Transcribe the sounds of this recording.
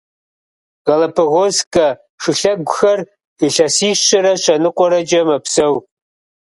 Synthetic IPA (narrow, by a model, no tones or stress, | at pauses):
ʁɐlɐpʰɨɣozkʼɐ | ʂɨɬɐɡʷʊxɐr | iɬɐsiːʃɕɐɾɐɕʰʼɐnɨqʷʼɔɾɐd͡ʒɐmɐpʰsɐw